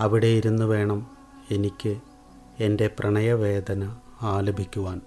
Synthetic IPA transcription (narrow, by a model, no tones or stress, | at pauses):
ɐʋiɽejiɾunːuʋe̞ːɳɐm | e̞nikʲːɨ | e̞nde̞prʔɐɳɐjɐʋe̞ːd̪ʱɐnɐ | aːlɐbʱikʲːuʋaːn